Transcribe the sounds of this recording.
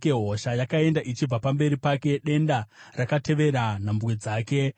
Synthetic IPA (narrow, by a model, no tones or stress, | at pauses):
keɦo̞ʃajakae̞ndaʔit͡ʃib͡vapambe̞ɾipake̞ɗe̞ndarakate̞ʋe̞ɾanambwed͡zaːke̞